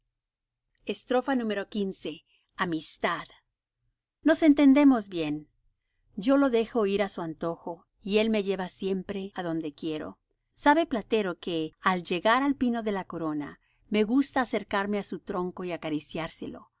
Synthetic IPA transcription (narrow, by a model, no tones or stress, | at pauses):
est̪ɾo̞fanũme̞ɾo̞kinse̞ | amist̪að | no̞se̞nt̪e̞nd̪e̞mo̞zβje̞n | ɟ͡ʝo̞lo̞ðe̞xo̞iɾasuant̪o̞xo̞ | ie̞lme̞ʝe̞βasje̞mpɾe̞aðo̞nd̪e̞kje̞ɾo̞̰ | saβe̞plat̪e̞ɾo̞ke̞alʝe̞ɣaɾalpino̞ðe̞lako̞ɾo̞na̰ | me̞ɣust̪aːse̞ɾkaɾme̞asut̪ɾo̞ŋko̞iakaɾisjaɾse̞lo̞̰